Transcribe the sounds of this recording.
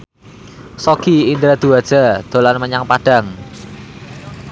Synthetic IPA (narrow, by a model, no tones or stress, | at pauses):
sokiind̪ɾad̪̥uad̥ʒ̥a̤d̪̥olanməɲaŋpaɖ̥a̤ŋ